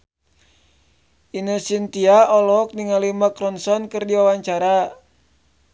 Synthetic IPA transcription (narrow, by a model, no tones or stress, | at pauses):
ʔinəsint̪iaɔlɔk̚niŋalimakɾɔnsɔnkɨrdiwawaɲt͡ʃaɾa